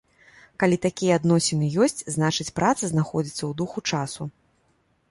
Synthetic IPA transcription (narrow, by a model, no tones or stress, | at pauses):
kalʲit̪akʲijɐad̪nɔsʲɛnɨjɔsʲt͡sʲznat͡ʂɨt͡sʲpɾʔat̪sɐznaxɔd͡zʲit̪sːɐwd̪uxut͡ʂasu